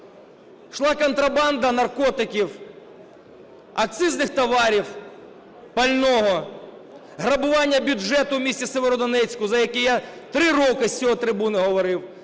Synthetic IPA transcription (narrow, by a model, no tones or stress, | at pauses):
ʃlˠɑkɔnt̪ɾɐbɑnd̪ɐnɐrkɔt̪ɪkʲiw | ɐk̚t̪sɪznɪxt̪ɐʋɑɾʲiw | pɐlʲnɔɦɔ | ɦɾɐbʊʋɑnʲːɐbʲʊʒɛt̪ʊwmʲisʲtʲiseʋeɾɔd̪ɔnɛt͡sʲkʊzɐjɐkɪjat̪ɾɪrɔkɪsʲt͡sʲɔɦɔt̪ɾɪbunɪɦɔʋɔɾɪw